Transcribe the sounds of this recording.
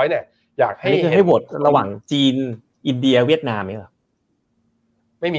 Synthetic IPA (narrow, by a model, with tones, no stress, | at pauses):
jni˦˥˩ | jaː˨˩k̚ha˥˩niː˦˥˩kʰɯ˧˩a˥˩jbu˨˩t̪̚ɾa˧waː˨˩ŋt͡ɕiː˧n | ʔi˧ndi˧ɐ˧wi˥˩ət̪̚naː˧mːa˦˥˩a˧˩ | ma˥˩jmː˧